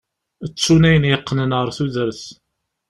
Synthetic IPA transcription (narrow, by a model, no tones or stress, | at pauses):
ət͡sːunæjənjəqːnənʁəɾθuðəɾəθ